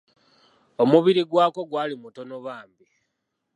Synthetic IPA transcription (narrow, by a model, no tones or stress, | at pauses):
o̞muβiɾiɡwaːko̞ɡwaːlimuto̞noβaːmbi